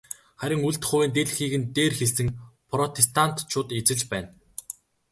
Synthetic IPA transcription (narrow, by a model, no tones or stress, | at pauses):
χæɾʲɪ̆ŋuɮt̪χʊːweːnt̪eɮ̆xiːɣɘ̆nt̪eːrxeɮsɘ̆ŋpʰrɔt̪ʰest̪ʰan̥t̪t͡ɕʰʊːt̪et͡sɘ̆ɮt͡ɕpæːn